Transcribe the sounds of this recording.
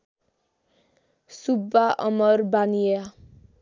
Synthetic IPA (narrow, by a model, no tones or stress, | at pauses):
subːaʔʌmʌrbanija